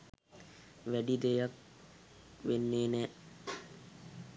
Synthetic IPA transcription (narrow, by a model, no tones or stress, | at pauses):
ʋæɖid̪ejak̚ | ʋenːeːnɛː